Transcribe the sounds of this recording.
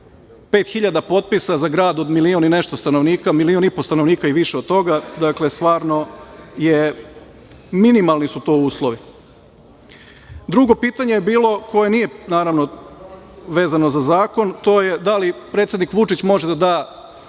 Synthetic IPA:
pe̞ːt̪xiʎad̪apo̞t̪̚pisazaɡɾaːd̪o̞d̪milionine̞ʃt̪o̞st̪anoʋniːkamilionipost̪anoʋniːkaiʋiʃeod̪̚t̪o̞ɡad̪akle̞st̪ʋaːɾno̞je | minimalˠnisut̪oːuːslˠoʋi | d̪ɾuɡo̞piːt̪aɲejebiːlˠo̞ko̞jenije̞naːɾaʋno̞ | ʋe̞ːzano̞zazaːko̞nt̪o̞jed̪alipɾeːt̪sjed̪nikʋut͡ʃit͡ɕmo̞ʒed̪ad̪aː

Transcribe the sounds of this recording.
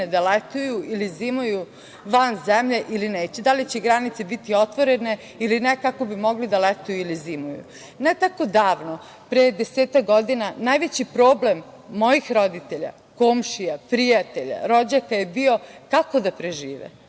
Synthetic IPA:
d̪alet̪ujuʔilizimuju | ʋanzemʎeʔilineːt͡ɕed̪alit͡ɕeɡɾanit̪sebit̪io̞t̪ʋoɾe̞ne̞ | ilinekako̞bimo̞ɡlid̪alet̪ujuilizimujṵ | net̪ako̞d̪aːʋno | pɾejd̪eseːt̪ak̚ɡo̞d̪inanajʋet͡ɕipɾoːble̞mː | o̞jixɾo̞d̪it̪e̞ʎa̰ | koːmʃijapɾijat̪e̞ʎa̰ɾo̞d͡ʑakajebio̞kako̞d̪apɾeʒiːʋḛ

